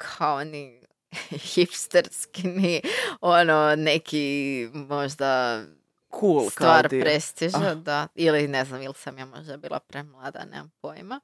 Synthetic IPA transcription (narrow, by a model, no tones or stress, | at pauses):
kʰaoni | xipst̪eɾskiniononekʰimo̞ʒd̪a | kʰuːlstk̪ʋaːɾt̪pɾest̪iʒed̪ailineznamilsamjaːmo̞ʒd̪abiːlˠa̰pɾemlˠaːd̪a̰nḛmampojma